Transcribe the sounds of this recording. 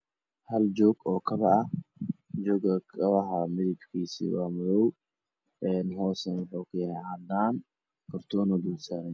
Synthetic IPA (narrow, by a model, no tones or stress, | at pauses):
hɐld͡ʒɔːɡɔːkʰɐβɐɐ | d͡ʒɔːɡɐkʰɐβɐɦɐmɪðɪbkʰiːsḭːwaːmʊðɔw | ʔɛnɦɔːsɐnwʊħuːkʰʊjɐhɛhad̪aːn | kʰɐɾt̪ʰɔːnɔd̪usaɾɛn